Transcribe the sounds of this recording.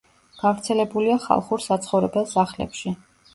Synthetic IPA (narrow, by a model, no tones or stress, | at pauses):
ɡ̥avɾt̪sʰɛlɛbuliaχa̰lˠχuɾsat̪sʰχɔvɾɛbɛlˠsaχlɛ̰pʃi